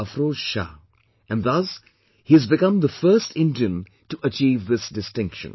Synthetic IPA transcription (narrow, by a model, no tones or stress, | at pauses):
əfɾoːd͡ʒʃa̰ | ʔɛ̃nɖðʌs | hiɨzbɪkʌ̃md̪əfəːsʈɪ̃ndiə̃n | tuʔət͡ʃiːvðɪsdɪstɪ̃ŋkʃə̰̃n